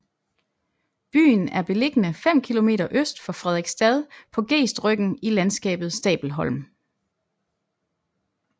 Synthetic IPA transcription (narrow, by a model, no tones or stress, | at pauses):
b̥y̰ːnæɐb̥e̝le̝ɡ̥nəfem̰kʰilo̝me̝̰ːɾɐʔøsd̥fɑfʁɛð̞ˠeɡ̥sd̥ɛð̞ˠpʰɒ̽ɡ̥e̝̰ːsd̥ʁœɡ̥n̩ilænsɡ̥ɛ̰ːb̥ð̩ˠsd̥ɛ̰ːb̥l̩ɦɒ̽l̰m